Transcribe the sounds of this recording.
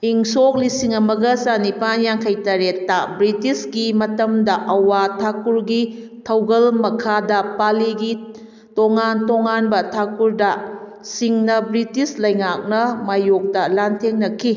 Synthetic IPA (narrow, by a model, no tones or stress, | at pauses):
iŋsok̚lisiŋɐmɐɡɐsanipanjaŋkʰɐjtɐɾetːɐbɾitisɡimɐtɐmdɐʔɐwatʰakuɾɡi | tʰɐwɡɐlmɐkʰadɐpaliɡi | toŋantoŋanbɐtʰakuɾdɐ | siŋnɐbɾitislɐjŋak̚nɐmajok̚dɐlantʰeŋnɐkʰi